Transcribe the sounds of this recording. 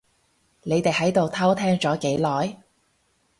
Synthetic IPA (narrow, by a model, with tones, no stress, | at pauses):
ne˨˧jt̪e˨jhɐ˨˥jt̪o˨wt̪ʰɐ˥wt̪ʰɛː˥ŋt͡ʃɔː˨˥ke˨˥jlɔː˨j